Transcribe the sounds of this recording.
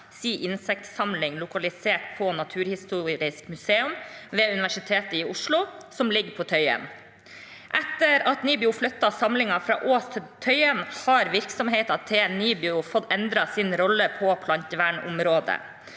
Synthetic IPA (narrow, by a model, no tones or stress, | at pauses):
siːʔɪnsɛk̚t̪sɑmlɪŋlʊkɑlɪseːʈpʰɔnɑt̪ʰʉːɾhɪst̪uːɾɪskmʉseːʉmʋeːʉnɪʋæʂɪt̪ʰeːt̪əɪʊʂlʊsɔmlɪɡpʰɔt̪ʰœʏɛ̰n | ʔɛt̪ːəɾɑt̪niːbɪʊflœt̪ːɑsɑmlɪŋɑfɾɑ̰ːʔoːst̪ʰɪt̪ʰœʏɛnhɑɾʋɪɾksɔmɦeɪt̪ɑt̪ʰːɪlniːbɪʊfɔt̪ːɛnd̪ɾɑsɪnɾɔlːəpʰɔpʰlɑnt̪əʋæːɳʊ̰mɾoːd̪ə̰